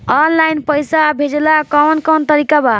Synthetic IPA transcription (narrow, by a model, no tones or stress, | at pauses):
ɔnlajnpəjsabʱed͡ʒelakɔwnkɔwnt̪əɾikaba